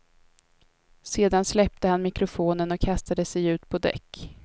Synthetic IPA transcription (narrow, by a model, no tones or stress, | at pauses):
seːd̪anslɛp̚t̪əhanmɪkɾʊfoːnənɔkʰːast̪ad̪əsɛjʉ̟ːt̪pʰɔd̪ɛ̰kː